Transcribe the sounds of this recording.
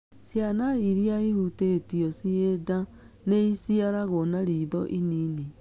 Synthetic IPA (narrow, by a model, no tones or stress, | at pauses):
sjanaiɾiaihutetiɔsieda | neisiaɾaɣɔnaɾiːðɔʔinini